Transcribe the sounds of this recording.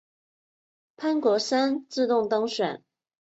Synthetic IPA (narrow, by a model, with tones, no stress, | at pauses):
pʰa˥nkwɔ˧˥sa˥nt͡sɹ̩˥˧t̪ʊ˥˩ŋt̪ɑ˥ŋɕɥɛ̰˨˩˦n